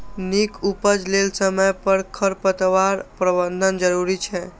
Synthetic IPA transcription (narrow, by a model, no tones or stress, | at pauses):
nikupəd͡ʒlelsəməjpəɾkʰəɾpət̪ʋaɾpɾəbənd̪ʱənd͡ʒəɾuɾit͡ʃʰɛ